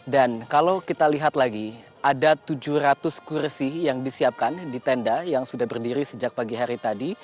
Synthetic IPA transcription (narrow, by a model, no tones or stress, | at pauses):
dankalawkit̪aliɦat̪laɡi | ʔadat̪ud͡ʒuhrat̪ʊskursijaŋdisiap̚kandit̪ɛndajaŋsudahbərdiɾisəd͡ʒak̚paɡiɦaɾit̪adi